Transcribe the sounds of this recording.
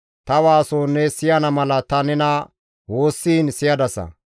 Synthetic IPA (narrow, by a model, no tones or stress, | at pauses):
t̪ɐwaːsoːnːɛsɪjɐnɐmɐlɐt̪ɐnɛnɐ | wo̞ːsːiːnsɪjɐd̪ɐsɐ̰